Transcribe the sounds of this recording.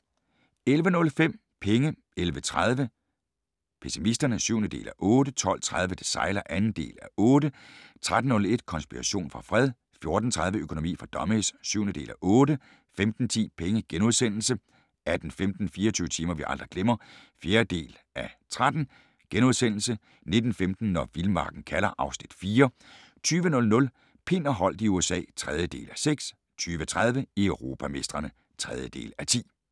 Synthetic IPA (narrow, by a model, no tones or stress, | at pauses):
elʋənɔ̽lfem̰ | pʰeŋə | elʋət͡sʰʁað̞ˠʋə | pʰesimisd̥ɐnəsyːʊnəd̥e̝̰ːlæʔɔ̽ːdət͡sʰɒ̽l̰t͡sʰʁað̞ˠʋəd̥esɑ̈ɪ̰lɐʔænn̩d̥e̝̰ːlæʔɔ̽ːdɾət͡sʰʁad̥n̩nɔ̽le̝d̥kʰɒ̽nsb̥iʁɑɕo̝̰ːnfʁɑ̈fʁɛð̞ˠ | fjo̝ɐd̥n̩t͡sʰʁäð̞ˠʋəøkʰo̝no̝mḭːfʁɑ̈d̥ɒ̽messyʊ̰nəd̥e̝̰ːlæʔɔ̽ːɾə | femd̥n̩t͡sʰḭːpʰeŋəɡ̥enuðˠsen̰l̩sə | æd̥n̩femd̥n̩fiːɐɒt͡sʰyːʊət͡sʰiːmɐʋiʔɑ̈ld̥ʁiɡ̥lemɐfje̝ːɐd̥e̝̰ːl | æt͡sʰʁad̥n̩ | ɡ̥enuð̞ˠsen̰l̩sə | ne̝d̥n̩femd̥n̩ːɒʋilmɑ̈ːɡ̥n̩kʰælɐʔɑ̈ʊsnid̥fiːɐ | t͡sʰyːʋənɔ̽lnɔ̽l | pʰe̝nɐɦɒ̽l̰d̥iuesɛ̰ːt͡sʰʁað̞ˠjəd̥e̝̰ːlæseɡ̥s | t͡sʰyːʋət͡sʰʁað̞ˠʋəiøʊʁo̝ːpʰæme̝sd̥ʁɐnə | t͡sʰʁɛð̞ˠjəd̥e̝̰ːlæt͡sʰḭː